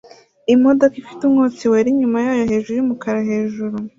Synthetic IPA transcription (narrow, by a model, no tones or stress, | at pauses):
imo̞dokifitumŋot͡siweɾiɲumajaːjo̞ɦe̞ːʒuɾuɾumukaɾaɦe̞ːʒuɾu